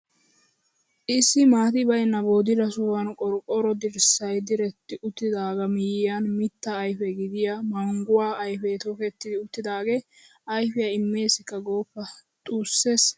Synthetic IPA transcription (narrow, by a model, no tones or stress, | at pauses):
ʔɪsːɪmaːt̪ɪbɐjnːɐbo̞ːd̪ɪlɐsʊwɐnkʼɔɾkʼɔɾɔd̪ɪɾsɐjd̪ɪɾɛt̪ːɪʔʊt̪ːɪd̪aːɡɐmɪjɪjɐnmɪt̪ːɐːjfɛɡɪd̪ɪjamɐŋɡʊwaːʔɐjfɛt̪okɛt̪ːɪd̪ɪʊt̪ːɪd̪aːɡe | ʔɐjfɪjaɪmːe̞ːsɪkːɐɡo̞ːpːɐt̪ʼuːsːe̞s